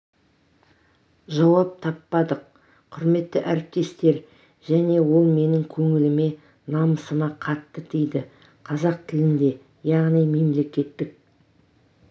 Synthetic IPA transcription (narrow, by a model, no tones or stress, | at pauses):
ʒɑwɑp̚t̪ʰɑpːɑd̪əq̚ | qʰʊɾme̞t̪ːɪʔæɾɪp̚t̪e̞st̪e̞ɾ | ʒæne̞wo̞lˠme̞nɪŋkʲʰɵŋɪlɪme̞ | nɑməsəmɑqʰɑt̪ːəd̪ejd̪ɪ | qʰɑzɑq̚t̪ʰɪlɪnd̪e̞ | jɑʁnijme̞mle̞kʲe̞t̪ːɪk̚